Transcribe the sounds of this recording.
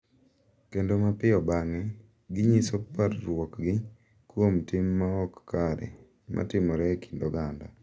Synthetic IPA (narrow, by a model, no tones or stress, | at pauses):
kendomapɪɔbaŋɛ | ɡɪɲisoparːwɔkɡɪ | kwomtɪmːaɔkːaɾɛ̰ | mʔa̰tɪmɔɾɛkʰi̥ndɔɡanda